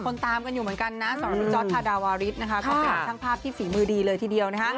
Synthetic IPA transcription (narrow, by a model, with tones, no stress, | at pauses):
kʰo˧nt̪aː˧mka˧njuː˨˩mɯ˩˦ənŋka˧nːa˦˥sa˨˩˦mɾa˦˥u˧t͡ɕɔː˦˥˧aː˧daː˧waː˧ɾi˦˥t̪̚na˦˥kʰa˦˥kʰɔ˥˧˩a˧˩˨aː˥˩ŋpʰaː˥˩p̚t̪ʰiː˥˩siː˩˦mɯː˧diː˧lɤː˧jt̪ʰiː˨˩di˧əwna˦˥kʰa˦˥